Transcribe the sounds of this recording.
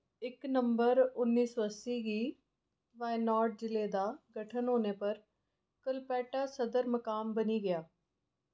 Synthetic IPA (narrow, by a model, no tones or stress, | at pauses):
ɪknəmbəɾʊnːiːsoːəsiːɡiː | ʋaːenɔːɾʈ̚d͡ʒɪleːd̪aːɡəʈʰənɦoːneːpəɾ | kəlpɛːʈaːsəd̪əɾməkaːmbəniːɡɪjaː